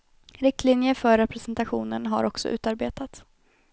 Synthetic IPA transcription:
ɾɪk̚t̪ʰlɪnjəfœɾːɛpɾɛsɛnt̪aɧṵːnənɦa̰ɾɔksɔ̰ʔʉ̟ːt̪aɾbeːt̪at̪

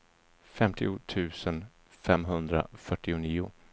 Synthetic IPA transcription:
fɛmt̪ʰɪʊt̪ʰʉ̟ːsən | fɛmɦɵnd̪ɾa̰fœʈːɪʊniːʊ̰

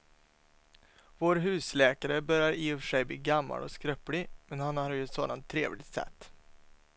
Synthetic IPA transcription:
voːɾɦʉ̟ːslɛːkaɾəbœɾjaɾiːɵfʂɛjbliːɡamːa̰lɔ̰skɾœplɪmɛnhanhaɾɾjɵɛt̪soːd̪ant̪ʰːɾḛːvlɪ̰t̪sɛ̰t̪ː

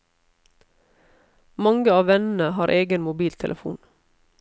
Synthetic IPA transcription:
mɑŋɡəɑːʋɛnn̩əhɑːɾʔeːɡənmʊbiːlt̪ʰɛlʔəfṵːn

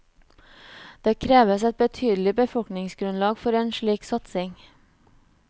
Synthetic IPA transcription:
d̪̥eːkʰɾeːʋəsɛt̪̚bət̪ʰyːd̪l̩ɪbəfɔlknɪŋsɡɾʉnlɑːɡfɔɾeːnʃɭiːksɑt̪sɪŋ

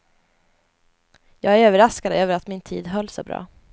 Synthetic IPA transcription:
jɑːɡæɾøːvəɾaskad̪əøːvəɾat̪mɪnt̪ʰḭːd̪ɦœlːsɔ̰bɾɑ̰ː

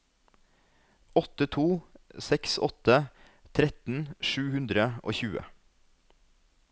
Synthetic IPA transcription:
ɔt̪ət̪ʰuːsɛksɔ̰t̪ə | t̪ʰɾɛt̪n̩ʃʉːhʉnd̪ɾəʔo̰ːçʉːə̰

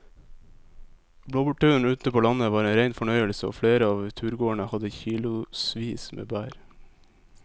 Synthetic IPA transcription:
bloːbʉʈʉːn̩ʉːt̪əpʰoːlɑnəʋɑːɾeːnɾæɪnfɔɳœʏəlsəo̰ːfɽeːɾəɑːʋt̪ʰʉːɾɡoːəɳəhɑd̪əçiːlʊsʋiːsmʔḛːbæːɾ

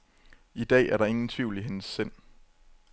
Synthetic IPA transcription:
id̥ɛ̰ːæɐɾɑ̈e̝ŋn̩t͡sʰʋiʊ̰liɦe̝nəsːen̰

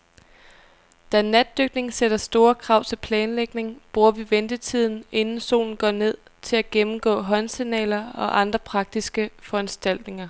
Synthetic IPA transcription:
d̥ænæd̥ːøɡ̥ne̝ŋsed̥ɐsd̥o̝ːɐkʰʁɑ̈ʊ̰t͡sʰe̝lpʰlɛːnleɡ̥ne̝ŋb̥ʁuɐʋiʋend̥ət͡sʰið̞̰ˠn̩e̝nn̩so̝̰ːln̩ɡ̥ɒ̰ːne̝ð̞̰ˠ | t͡sʰe̝læɡ̥emm̩ɡ̥ɔ̰̽ːɦɒ̽nsinɛ̰ːlɐɒ̽ʔɑ̈nd̥ʁɐpʰʁɑ̈ɡ̥̚d̥isɡ̥əfɒ̽ænsd̥æl̰d̥ne̝ŋɐ

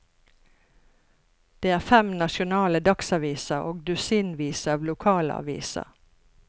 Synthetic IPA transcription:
d̪̥eːæːʁfɛmnɑʃʊnɑːləd̪ɑksɑːʋiːsəo̰ːɡd̪ʉsiːnʋiːsəɑːʋlʊkʰɑːləɑ̰ːʋḭːsə̰

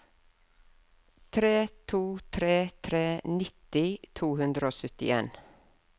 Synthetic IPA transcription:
t̪ʰɾeːt̪ʰuːt̪ʰɾeːt̪ʰɾeːnɪt̪ɪt̪ʰuːhʉnd̪ɾəoːsœt̪ɪ̰ḛːn

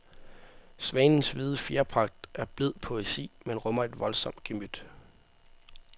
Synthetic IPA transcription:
sʋɛːnn̩sʋið̞ˠəfiɐpʰʁɑ̈ɡ̥̚d̥ʔæɐb̥leð̞̰ˠpʰo̝esḭːmenʁɔ̽mɐe̝d̥ʋɒ̽lsɒ̽m̰d̥̚ɡ̥emyd̥

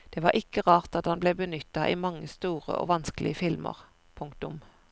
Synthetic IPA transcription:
d̪̥eːʋɑːʔɪkəʁɑːʁt̪ɑt̪hɑnbleːbənʏt̪ːɑʔiːmɑŋːəst̪uːʁə̰ʔo̰ːʋɑnskəlɪ̰əfɪlmə̰ʁ | pʰʊŋk̚t̪ʊm

